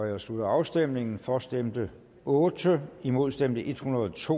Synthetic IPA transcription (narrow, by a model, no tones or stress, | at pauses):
ɒ̽jäɪslud̥ɐɑ̈ʊsd̥em̰ne̝ŋn̩fɒ̽sd̥emd̥ə | ɔ̽ːd̥əimo̝ðˠsd̥em̰d̥əʔe̝d̥hunɐð̩ˠɒt͡sʰo̝̰ː